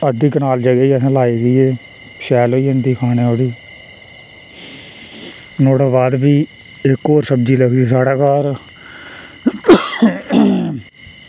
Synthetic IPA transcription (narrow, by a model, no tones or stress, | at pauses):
əd̪iːkənaːld͡ʒəɡaiːəsãːlaːiːɡəiːeː | ʃɛːloːiːənd̪iːkʰaːneːoːɽiː | noːɽaːbaːd̪biː | ɪkːoːɾsəbd͡ʒiːləɡd̪ieːsaːɽaːkaːɾ